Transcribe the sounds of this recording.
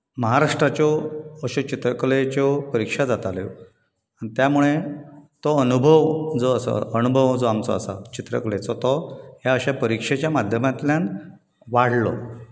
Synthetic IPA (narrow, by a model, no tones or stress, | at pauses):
məɦaɾaʂʈɾat͡ɕɔəɕɔt͡ɕit̪ɾəklet͡ɕɔpəɾikʂad͡zat̪ale | anit̪jamuɭet̪ɔənubʱəʋd͡zɔəsɔ̰ənubʱəʋd͡zɔamt͡sɔ̰əsa̰t͡ɕit̪ɾə̰kɭet͡sɔt̪ɔɦjaəɕapəɾikʂet͡ɕjamad̪ʱjəmat̪ljãn | ʋaɽ̤lɔ̰